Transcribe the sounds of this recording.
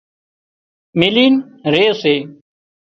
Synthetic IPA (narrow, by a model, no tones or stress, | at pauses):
miliːn | ɾeːseː